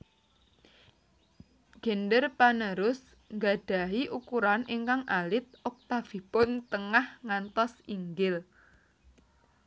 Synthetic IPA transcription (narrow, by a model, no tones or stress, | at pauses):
ɡ̥ɛ̤nɖərpanəɾʊs | ŋɡa̤ɖ̥a̤ɦiʔukuɾaniŋkaŋʔalɪt̪̚ɔk̚t̪afi̤pʊnt̪əŋahŋant̪ɔsiŋɡɪl